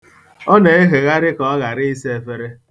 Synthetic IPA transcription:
ɔ˦ne˨e˦ɦe˨ɣa˦ɾɪ˦kɔ˨a˦ɣa˨ɾɪ˦i˦se˦e˨fe˦ɾe˦

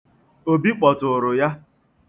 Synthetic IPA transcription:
o˦bi˦k͡pɔ˨tʊ˨ɾʊ˨ja˦

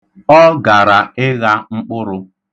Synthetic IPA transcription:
ɔ˦ɡa˨ɾa˨ɪ˦ɣa˦ŋ͡m̩˦k͡pʊ˦ɾʊ˦

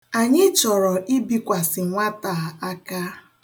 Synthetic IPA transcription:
a˨ɲɪ˦t͡ʃɔ˨ɾɔ˨ʔi˦bi˦kʷa˨sɪ˨ŋʷa˦ta˨a˦ka˦

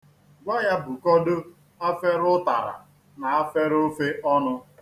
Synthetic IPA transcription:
ɡʷa˦ja˦bu˨kɔ˦do˦ | a˦fe˦ɾʊ˦ta̰˨ɾa̰˨ | na˨a˦fe˦ɾo˦fe˦ʔɔ˦nʊ˦

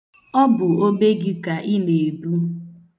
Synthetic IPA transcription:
ɔ˦bʊ˨o˦be˦ɡɪ˦ka˨ʔi˦ne˨e˨du˦

